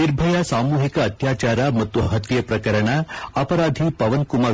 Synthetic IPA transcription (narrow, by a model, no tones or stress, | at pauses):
niɾbʱɐjasaːmuːɦikɐːt̪jaːt͡ʃaːɾɐmɐt̪ːuɦɐt̪jɐpɾɐkɐɾɐɳɐɐpɐɾaːd̪ʱipɐʋɐnkumɐ